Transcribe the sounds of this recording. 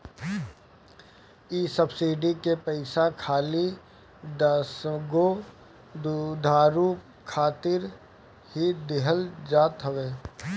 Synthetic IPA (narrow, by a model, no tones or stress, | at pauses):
iːsəbsiːɖikepəɪsakʰaːli | d̪sɡo | d̪d̪ʱaːɾuː | kʰaːt̪ɪɾ | hid̪ɪɦəld͡ʒaːt̪ɦəʋeː